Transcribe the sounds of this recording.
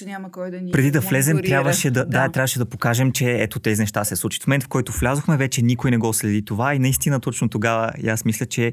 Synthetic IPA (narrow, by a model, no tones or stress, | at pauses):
pɾɛd̪id̪ɐflɛzɛmt̪ɾjabvəʃɛd̪ɐd̪at̪ɾʲabvəʃɛd̪ɐpokaʒɛmt͡ʃɛɛt̪ot̪ɛzinɛʃt̪asɛslˠut͡ʃi̥t̪mmɛnt̪fkɔjt̪oflʲazoxmɛvɛt͡ʃɛnʲikojnɛɡɔslɛd̪it̪ovainɐist̪inɐt̪ɔt͡ʃnot̪oɡavə̰jasmislʲət͡ʃɛ